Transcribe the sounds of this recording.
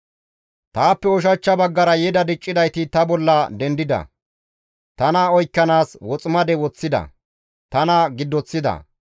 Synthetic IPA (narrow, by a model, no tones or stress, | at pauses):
t̪aːpːɛɔʃ̬ɐt͡ʃːɐbɐɡːɐɾɐjɛd̪ɐd̪ɪt͡ʃʼːɪd̪ɐjt̪ɪt̪ɐbɔlːɐd̪ɛnd̪ɪd̪ɐ̰ | t̪ɐnaɔjkːɐnaːswɔt͡sʼɪmɐd̪ɛwɔt͡sːɪd̪ɐ̰ | t̪ɐnɐɡɪd̪ːɔt͡sːɪd̪ɐ̰